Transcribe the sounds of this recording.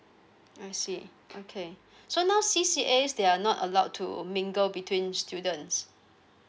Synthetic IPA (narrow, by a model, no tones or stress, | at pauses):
aɪsi | okʰe | sonaʊsisiʔesdeanɔtə̰laʊtʰːṵmĩŋɡəlbitʰwĩnstʰjudə̃ns